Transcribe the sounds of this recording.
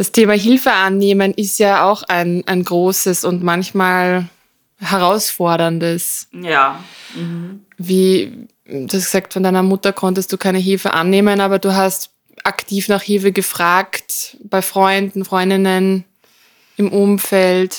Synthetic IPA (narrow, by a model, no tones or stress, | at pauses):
d̥astʰeːmaɦɪlfəʔanːeːmənʔɪstjaːaʊxaɪnʔa̰ɪnɡʁoːsəsʊntmançmaːl | hɛʁaʊsfɔɐɾɐndəsja | viː | d̥uːhastɡə̥zaːk̚tfɔndaɪnɐmʊtɐkʰɔntəstd̥uːkʰaɪnəɦɪlfəʔa̰nːeːmənaːbɐduːɦast | ʔaktʰiːfnaːχhɪlfəɡəfʁ̥aːktb̥aɪfʁ̥ɔʏndn̩fʁ̥ɔʏndɪnən | ɪmʔʊmfɛlt